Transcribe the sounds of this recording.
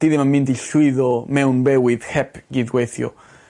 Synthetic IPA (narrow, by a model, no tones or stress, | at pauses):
d̪̥iðimanmintiɬwɪðɔmɛwnbɛwɪðhɛpɡ̥iðɡweθjɔ̰